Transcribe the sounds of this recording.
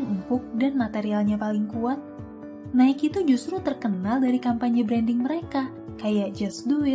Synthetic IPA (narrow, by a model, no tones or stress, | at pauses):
ŋumpʊk̚danmat̪eɾialɲapalɪŋkuat̪̚ | naɪkit̪ud͡ʒust̪ɾut̪ərkənaldaɾikampaɲabɾɛndɪŋməɾeka | kajaʔd͡ʒɛsdu